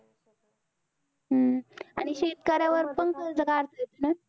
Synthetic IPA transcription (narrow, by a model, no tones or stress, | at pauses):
ɦəa̰ɽ̃iɕet̪kəɾjaʋəɾpənkəɾd͡zəɡaɾt̪əjt̪əna